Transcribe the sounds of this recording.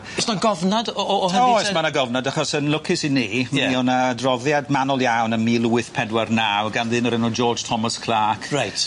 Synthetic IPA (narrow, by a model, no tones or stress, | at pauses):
ɔsnaɡɔvnadɔɔːhɔsɛsmanaɡɔvnadaχɔsənlʊkʰɪsiniːmɛiɔnaːdrɔðjadmanɔlˠjawnəmiːlˠuwɨθpʰɛdwarnawɡanðɪnɔɾɛnɔd͡ʒɔːd͡ʒ̥tʰɔmaskʰl̥ˠaːkʰrajt